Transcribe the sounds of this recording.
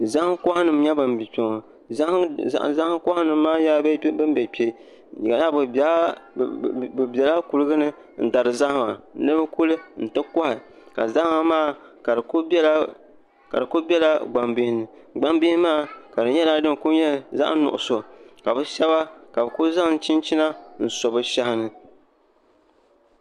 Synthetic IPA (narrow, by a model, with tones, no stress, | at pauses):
za˦kɔ˦ha˦nɨ˨m˦ɲɛ˦bɨ˨mbi˨po˨ŋ˨ | z̰ʔza˦hŋ˦kɔ˦ha˦nɨ˨mː˦aː˦jaː˦bbɨ˦m˦bɛ˨pe˨ | ɡa˨na˦b | bɨ˨bɛ˨la˦ku˨lɨ˦ɡɨ˦nɨ˦ | n̩˨da˨ɾɨ˨za˦hma̰˨nɨ˦bɨ˦kʊ˦lɨ˦n̩˨tɨ˦kɔ˦ha˨ | ka̰˨za˦hŋa˦maː˦˨ | ka˨ɨ˨ku˦l | ka̰˨dɨ˨kʊ˦bʲɛ˦la˦ɡ͡ba˨mbɪ˨hɪ˦nɨ˨ | ɡ͡ba˦mbɪ˦hmaː˦˨ka˨dɨ˨ɲɛ˦laː˦dɨ˦˨ku˦ɲɛ˦˨za̰˦ʔnʊ̰˨ʔʊ˨so˨ka˨bɨ˦ʃɛ˦βa˦ka˨bɨ˨kʊ˦za˦˨n˦t͡ʃi˦nt͡ʃi˦na˦n̩˨sɔ˨bɨ˦ʃa˦hɪ˦nɨ˦